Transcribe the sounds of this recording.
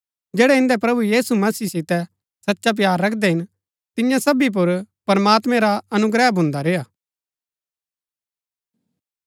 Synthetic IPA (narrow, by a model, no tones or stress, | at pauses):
d͡ʒɛːɽɛɪ̃nd̪ɛpɾɐbujiːsumɐsiːsɪt̪ɛ | sɐtːʃap̬jaːɾːɐkʰd̪ɛɦɪn | t̪ɪjãsɐbip̬ʊɾpɐɾəmaːt̪mɛ̃ɾaɐnʊɡɾɛːbʊ̃nd̪aɾeːjaː